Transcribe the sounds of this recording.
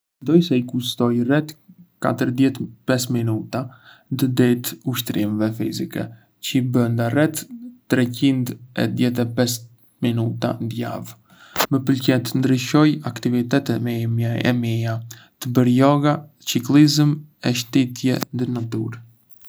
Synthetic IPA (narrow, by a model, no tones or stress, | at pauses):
mɛnd̪ɔjsɛikuʃt̪ɔjrɛt̪ka̰t̪əɾðjɛt̪pɛsminut̪and̪əd̪ɛt̪uʃt̪ɾimɛvɛfḭzikɛ̰ | cəibənd̪arɛt̪t̪ːɾɛcind̪ɛ̰ðjɛt̪̬ɛpɛs | minut̪a̰nd̪ja̰v | məpəlcɛt̪nd̪ɾiʃɔjakt̪ivit̪ɛt̪ɛɛ̰mija | t̪əbəɾjɔɡa | t͡ʃiklizəmɛʃt̪ɛt̪jɛnd̪əɾnat̪uɾ